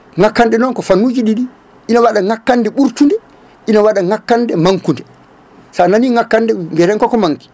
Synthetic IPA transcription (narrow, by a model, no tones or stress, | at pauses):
ŋakːanɗɛnɔnkɔfanːuːd͡ʒiɗiɗi | ʔinawaɗaŋakːandɛɓuɾtundɛ | ʔinawaɗaŋakːandɛmaŋkundɛ | sananiŋakːandɛŋɡɛɾɛŋkɔkɔmaŋki̥